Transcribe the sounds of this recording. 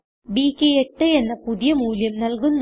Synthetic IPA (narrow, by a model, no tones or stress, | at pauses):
biːkːeeʈːɨenːɐpuðijɐmuːljɐmnɐlkunː